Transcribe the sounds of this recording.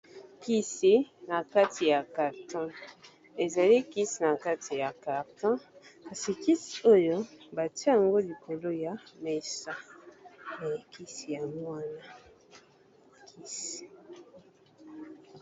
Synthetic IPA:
ki˦si˨na˨ka˦tʰi˨ja˨ka˨ʁtɔ̃˦ | e˨za˨li˦ki˦si˨na˨ka˦tʰi˨ja˨ka˨ʁtɔ̃˦ka˨si˨ki˦si˨o˦jo˦ba˨ti˦a˨ŋɡo˦li˨kʰo˨lo˦ja˨˦me˨sa˦ | na˨ja˨ki˦si˨ja˨mwa˦na˦ | kʰi˦si̥˨

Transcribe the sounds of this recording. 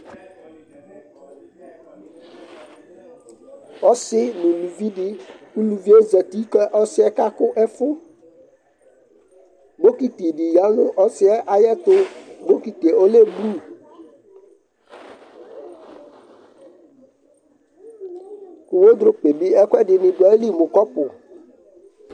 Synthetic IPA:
ɔ˦sɪ˦nũ˨lu˨vi˦ɖɪ˦ku˦lu˨vi˦e˦zɛ˨t̪i˦kɛ˦ʔɔ˦sɪ˦ɛ˦ka˦kʊ˦ʔɛ˦fʊ˦ | bo˦ki˨t̪e˨ɖɪ˨ja˦lʊ̃˦ʔɔ˦sɪ˦ɛ˦ʔa˨jɛ˦t̪ʊ˦bo˦ki˨t̪e˨o˦le˦blu˦˨ | kʊ˨wo˦d̪ɾʊ˦k͡pe˨bi˦ɛ˦kʷɛ˦ɖɪ˨nɪ̃˨ɖɔ˨e˦li˦mʊ̃˨kɔ˦pʊ˨

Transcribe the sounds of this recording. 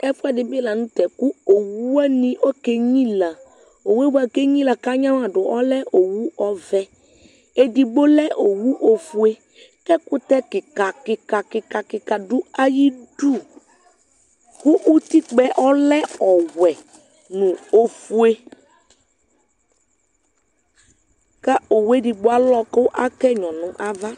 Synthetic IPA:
ɛ˦fʊ˦a˨dɪ˨be˦la˨nũ˦t̪ɛ˨ku˦o˨wu˦a˦nĩ˦ʔɔ˦ke˦ɲĩ˦la˨ | o˨we˦bu˦a˨ke˦ɲĩ˦la˨ka˦ɲã˦wa˨ɖʊ˨ʔɔ˦lɛ˦ʔo˨wu˦ɔ˦vɛ˦ | e˦di˨ɡ͡bo˦lɛ˦ʔo˨wu˦ʔo˨fu˦e˦ | kɛ˦kʊ˦t̪ɛ˦kɪ˨ka˨kɪ˨ka˨kɪ˨ka˨kɪ˨ka˨ɖʊ˦a˦ji˦du˦˨ | kʊ˦ʔu˦t̪i˦k͡pɛ˦ʔɔ˦lɛ˦ɔ˨wɛ˨ | nũ˨o˨fu˦e˦ | ka˦o˨we˦di˨ɡ͡bʊ˨˦a˦lɔ˦kʊ˦ʔa˦kɛ˦ɲɔ̃˨nʊ̃˨ʔa˦va˦

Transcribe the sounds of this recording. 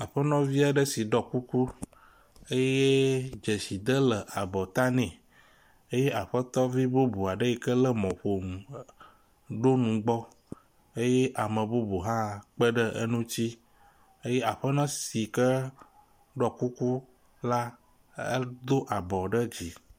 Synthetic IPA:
a˨ɸə˦nɔ̃˦vi˦a˨ɖə˦si˨ɖɔ˦ku˦ku˦ | e˦je˦d͡ʒe˨si˨d̪ə˦lə˨ʔa˨bɔ˨t̪a˦nɛ̃˨ | e˦je˦ʔa˨ɸə˦t̪ɔ˦vi˦bo˦bu˨a˨ɖə˦i˨kə˦lə˦mɔ̃˨ɸo˨m˨ | ɖo˦nũ˨ɡ͡bɔ˦ | e˦je˦ʔa˨mə̃˨bu˦bu˨ɦã˦k͡pə˦ɖə˦ʔḛ˦nũ˦t͡ɕi˦ | e˦je˦a˨ɸə˦nã˦si˨kə˦ | ɖɔ˦ku˦ku˦ | la˦ | ə̰˦d̪o˦ʔa˨bɔ˨ɖə˦d͡ʑi˨

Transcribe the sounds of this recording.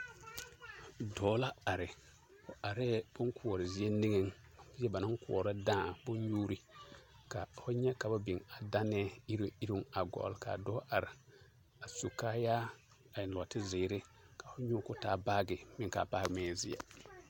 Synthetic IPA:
dɔː˨˦la˦a˨ɾɪ˨ | fʊ˨ʔa˨ɾɛː˦bʊ˦ŋkʰu˦ɔ˨ɾɪ˨zɪ˦e˦ni˦ŋe˨ŋ | ɪ˦ɛ˦ba˨na˦ŋkʊ˨ɔ˨ɾa˦dãː˦˨bʊ˦n˦juː˦ɾi˨ | ka˨fʊ˦ɲɛ˦ka˨ba˦bi˨ŋa˨da˦nɛ˦i˦ɾi˦i˦ɾi˦ŋa˨ɡɔ̰˨lka̰˨dɔ˦ʔa˨ɾɪ˨ | a˨su˨ka˦jaː˦ | a˨jɪ˨nlɔ˨tɪ˦zɪ˨˦ɾɪ˦ | ka˨fʊ˦ɲʊ˦˨kʊ˦taː˨˦baː˦ɡɪ˨mɪ˦ŋ˨ka̰ː˨baː˦ɡɪ˨mɛː˦˨zɪ̰˦ɛ̰˦

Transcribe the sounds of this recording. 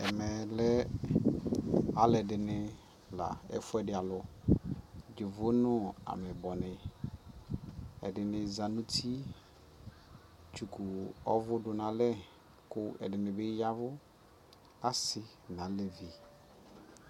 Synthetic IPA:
ɛ̰˨mɛ˨lɛ˦ | a˦lɛ˨dɪ˨nɪ˨ | la̰˨ɛ̰˦fʊ˦ɛ˦˨dɪ˨a˨lʊ˨ | d͡ʒɪ˨vʊ˦nʊ˦a̰˨mɛ˨bɔ˨nɪ̃˨ | ɛ̰˨dɪ˨nɪ˨za˨nʊ̃˦tʰi˦ | t͡ʃu˨kʰu˨ɔ̰˦vʊ˦dʊ˨nã˨lɛ˦ | kʊ˦ɛ̰˨dɪ˨nɪ̃˨bɪ˦ja˦vʊ˦ | a˦sɪ˦ | nã˨˦lɛ˨vi˨

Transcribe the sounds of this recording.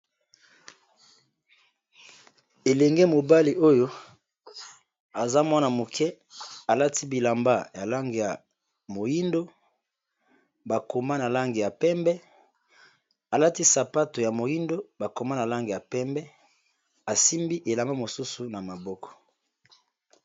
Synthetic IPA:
e˨lɛ˨ŋɡe˦mo˨ba˦li˨o˦jo˦ | a˨za˦mwa˦na˨mo˨kʰɛ˦ | a˨la˦ti˦bi˨la˨mba˦ja˨la˦ŋɡe˨ja˨ | mo˨ji˦ndo˦ | ba˨ko˨ma˦na˨la˦ŋɡe˨ja˨pɛ˦mbɛ˦ | a˨la˦ti˦sa˨pa˦to˨ja˨mo˨ji˦ndo˦ba˨ko˨ma˦na˨la˦ŋɡe˨ja˨pɛ˦mbɛ˦ | a˨si˦mbi˦ʔe˨la˨ma˦mo˨su˦su˨na˨ma˨bɔ˦kɔ̥˨

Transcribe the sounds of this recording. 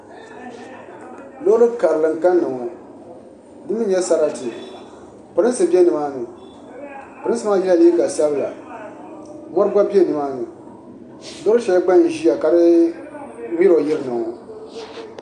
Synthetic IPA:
lo˦ɾɨ˦ka˨ɾɨ˨lɨ˨ŋ̩˨ka˦nːɨ˨ŋɔ˨ | dɨ˦mɨ˦ɲɛ˦sa˦ɾa˦tɨ˨ | pɨ˨ɾɨ˦nsɨ˨bi˦ɛ˦nɨ˨maː˦nɨ˨ | pɾɨ˦n˦sɨ˦ma˦˨jɛ˦la˦˨li˦ka˨sa˦bɨ˦˨la˨ | mɔ˦ɾɨ˦ɡ͡ba˦bi˦ɛ˦˨nɨ˨maː˦nɨ˨ | lo˦ɾɨ˦ʃɛ˨˦lɡ͡ba˦n˨i˦ja˨ka˨ɾɨ˦ | wi˦ɾo˨jɪ˦ɾɨ˦nɨ˨ɔ˨

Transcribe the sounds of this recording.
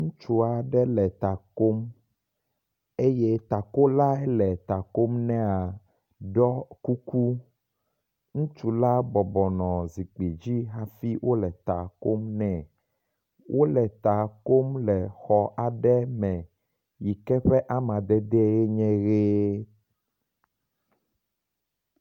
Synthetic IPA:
ŋũ˦t͡ʃu˦a˨ɖɛ˦lɛ˨t̪a˨ko˦m | e˦jɛ˦t̪a˨ko˦la˦ɛ˦lɛ˨t̪a˨ko˦mnɛ̃˦a˨ | ɖɔ˦ku˦ku˦ | ŋũ˦t͡ʃu˦la˦bɔ˨bɔ˨nɔ̃˨zi˨k͡pe˨d͡ʑi˦ɦa˦fi˦wʔo˦lɛ˨t̪a˨ko˦mnɛ̃˨ | wʔo˦lɛ˨t̪a˨ko˦mlɛ˨xɔ˨ʔa˨ɖɛ˦mɛ̃˨ | ji˨kɛ˦ɸɛ˦ʔa˦mã˨d̪ɛ˦d̪ɛ˦e˦ɲɛ̃˦ɣe˦

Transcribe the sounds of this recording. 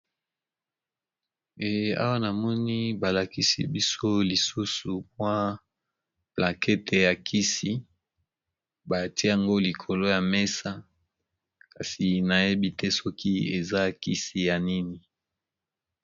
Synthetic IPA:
e˨a̰˦wa˦na˨mɔ˦ni˦ba˨la˨ki˦sḭ˨bi˦so˦li˨su˦su˨pwa˦ | plã˨kʰɛ˦tʰe˨ja˨kʰi˦si˦ | ba˨ti˦ja˨ŋɡo˦li˨kʰo˨lo˦ja˨me˦sa˦ | ka˨si˨na˨je˦bi˦tɛ˦sɔ˦kʰi˦e˨za˦ki˦si˦ja˨ni˦ni˨

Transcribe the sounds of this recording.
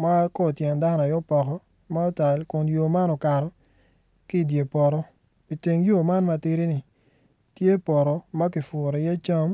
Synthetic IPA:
ma˦kɔ˦˨tjɛ˨nda˦n˨a˨jɔ˦pɔ˨kɔ˦ | ma˦ɔ˦ta˨lkʊ˨njo˨ma˦nɔ˨ka˨ɾɔ˨ | ki˦˨dje˨pɔ˨ɾɔ˦ | i˨te˨ŋjo˦˨ma˦nma˨tɪ˦ɾi˦nɪ˨ | tje˦pɔ˨ɾɔ˨ma˦kɪ˨fʊ˨ɾɔ˨jɛ˦t͡ʃa˦m

